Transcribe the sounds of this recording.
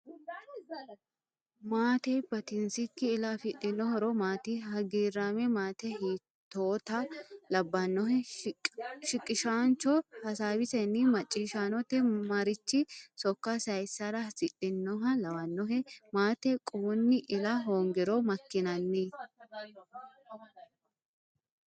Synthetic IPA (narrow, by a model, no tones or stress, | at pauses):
maːt̪ɛbɐt̪ɪnsɪkːɪːlɐfɪᶑːɪnːɔhɔɾɔmaːt̪ihɐɡiːrːaːmɛmaːt̪ɛhiː | t̪ːoːt̪ɐlɐbːɐnːɔɦɛ | ʃɪkʼːɪʃaːnt͡ʃɔhɐsaːwɪsɛnːɪmɐt͡ʃʼːiːʃaːnɔt̪ɛmɐɾɪt͡ʃːɪsɔkːɐsɐjsɐɾɐsɪɗɪnːɔɦɐlɐwɐnːɔɦɛmaːt̪ɛkʼuːnːɪʔɪlɐɦoːŋɡɪɾɔmɐkːɪnɐnːi